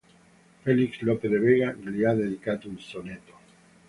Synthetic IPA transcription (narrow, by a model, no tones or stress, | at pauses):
felikslopeðeβeɣaleaðeðikat̪ounsonet̪o